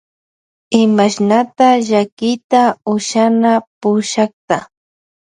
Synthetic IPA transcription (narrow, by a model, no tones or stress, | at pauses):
ɪmaʃnat̪aʒakɪt̪aʊʃanapʊʃakt̪a